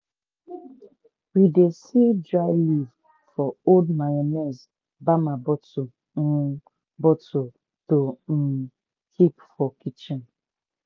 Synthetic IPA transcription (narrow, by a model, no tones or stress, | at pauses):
widesidɾaɪliv | fɔoldmajanɛz | bamabɔtu | bɔto | tom̩ | kʰipfɔkit͡ʃin